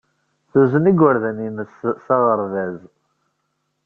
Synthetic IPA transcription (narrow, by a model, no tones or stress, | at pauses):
θuzəniɡwəɾðæninəssɑʁəɾˤðæz